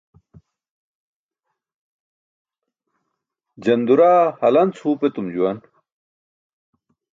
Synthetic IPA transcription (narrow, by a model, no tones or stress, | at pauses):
d͡ʑɐnd̪uɾaːhɐlɐnt͡shuːpet̪umd͡ʑuwɐn